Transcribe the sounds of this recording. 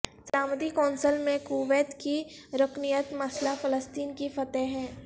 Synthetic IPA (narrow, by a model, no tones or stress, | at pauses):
saːməd̪ikɔːnsəlmẽkuːʋeːt̪kiɾʊknijət̪mɐslafɐləst̪iːnkifɐt̪ɛɦɦɛ̃ː